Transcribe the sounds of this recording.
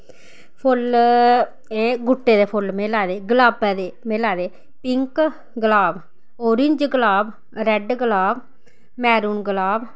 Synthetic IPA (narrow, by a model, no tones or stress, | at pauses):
pʰʊl | eːɡʊʈːeːd̪eːpʰʊlmeːlaːd̪eːɡlaːbɛːd̪eːmeːlaːd̪eː | pɪŋk | ɡəlaːb | oːɾɪɲd͡ʒɡəlaːb | ɾɛɖɡlaːb | mɛːɾuːnɡlaːb